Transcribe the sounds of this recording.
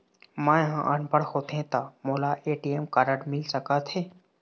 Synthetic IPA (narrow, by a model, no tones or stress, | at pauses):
mãːjɦãʔənpəɽhoːt̪ẽt̪amoːlaʔeːʈiemkaɾəɽmɪlsəkat̪ʰeː